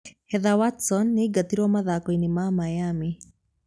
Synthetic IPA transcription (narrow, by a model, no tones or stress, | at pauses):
hɛðawatsɔnːiɡatiɾɔmaðakɔinimamajami